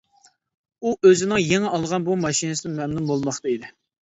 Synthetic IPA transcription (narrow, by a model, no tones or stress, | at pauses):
uøzɪnɪŋjeŋɪʔɑlˠʁɑnbumɑʃinɨsɪnɪmɛmnumbolˠmɑχt̪ɑid̪ɪ